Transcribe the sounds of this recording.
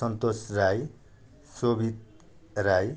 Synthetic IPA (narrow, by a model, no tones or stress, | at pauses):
ʌnt̪osraj | sobit̪̚ | raj